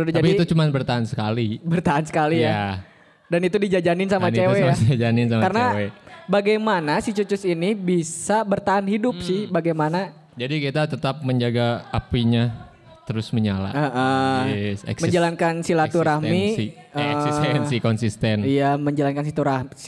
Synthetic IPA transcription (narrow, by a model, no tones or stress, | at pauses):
ɾud̪d͡ʒapiut͡ʃumanbərt̪aɦansə̥kalibərt̪aɦansə̥kalija | danit̪udid͡ʒad͡ʒanɪnsamant͡ʃeweaad͡ʒanɪnsamakarənawebaɡajmanasit͡ʃut͡ʃʊsinibisabərt̪aɦanhidʊp̚sɪhbaɡajmana | d͡ʒadikit̪at̪ət̪ap̚məɲd͡ʒaɡaapiɲa | t̪əɾʊsməɲala̰əʔəsɛ̰ksməɲd͡ʒalankansilat̪uɾahmii | əsisɛnsikɔnsist̪ɛnijaməɲd͡ʒalankans̬it̪uɾahms